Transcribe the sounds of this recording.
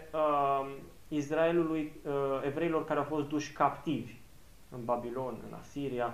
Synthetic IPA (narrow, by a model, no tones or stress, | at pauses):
ə | is̬rae̞luluje̞vɾe̞ilo̞rkaɾeawfo̞st̪d̪uʃʲkapt̪ivʲ | ɨnbabilo̞nɨ̰na̰siɾia